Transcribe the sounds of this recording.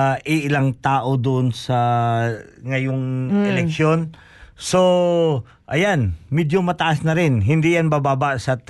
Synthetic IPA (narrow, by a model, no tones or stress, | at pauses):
ʔɪʔɪlaŋt̪aːʔo̞d̪ʊʔonsɐ | ŋɐjoŋɛlɛkkʃjo̞n | so | ʔɐjanmɛd̪jomɐt̪ɐʔasnɐɾɪnɦɪnd̪ijanbabaːbaʔsɐ